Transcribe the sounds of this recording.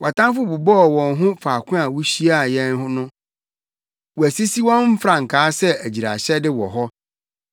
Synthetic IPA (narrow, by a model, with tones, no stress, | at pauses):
wa˨tʰã˦fʊ˦bu˨bɔ˦˨wɔ̃˨nɦʊ̃˦faː˨kʰʊ̃˦a˨wu˦ɕi˦a˦˨jɛ̃˦n˦ɦʊ˦nʊ̃˦ | wɔ˨æ˨si˦si˦wɔ̃˦nm̩˦fɾã˨ŋ̩˨kʰaː˨˦sɛ˦æ˨d͡ʑi˨ɾa̰˨ɕɛ˦dɪ˦wɔ˨ɦɔ˦